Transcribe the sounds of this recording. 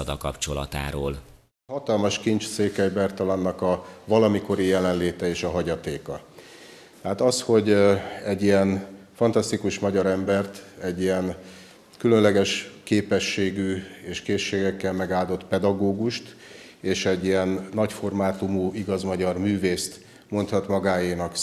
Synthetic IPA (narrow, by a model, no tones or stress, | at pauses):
ɒd̪ɒkɒpt͡ʃo̞lɒ̰t̪a̰ːɾo̰ːl | hɒt̪ɒlmɒʃkint͡ʃ̪seːkɛjbɛrt̪ɒlɒnːɒkɒvɒlɒmiko̞ɾijɛlɛnleːt̪ɛeːʃɒɦɒɟɒt̪eːkɒ | t̪ɛɦaːt̪ɒsho̞ɟɛɟːijɛn | fɒnt̪ɒst̪ikuʃmɒɟɒɾɛmbɛrt̪ɛɟːijɛn | kylø̞nlɛɡɛʃkeːpɛʃːeːɡyːeːʃkeːʃːeːɡɛkːɛlmɛɡaːld̪o̞t̪pɛd̪ɒɡoːɡuʃt̪ | eːʃɛɟːijɛnːɒcfo̞rmaːt̪umuiɡɒzmɒɟɒrmyːveːst̪ | mo̞nt̪hɒt̪mɒɡaːjeːnɒk